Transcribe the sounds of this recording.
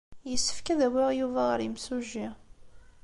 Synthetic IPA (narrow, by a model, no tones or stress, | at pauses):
jəsːə̥fkæðæwiʁjuvæʁəɾimsuʒi